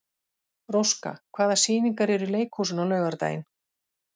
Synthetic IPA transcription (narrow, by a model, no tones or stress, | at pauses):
rowska̰kʰvaːðasiːniŋkaɾɛɾʏleːjkhuːsʏnawlœːɣaɾt̪a̰jɪ̰n